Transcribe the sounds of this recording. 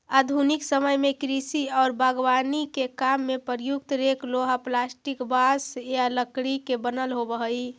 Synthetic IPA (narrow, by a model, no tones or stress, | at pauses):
ad̪ʱuniksəməjmekɾisiɔːɾbʱaɡʋanikekamːepəɾjuk̚t̪ɾekloɦaplasʈikbasjaləkɽikebənəlɦobəɦəi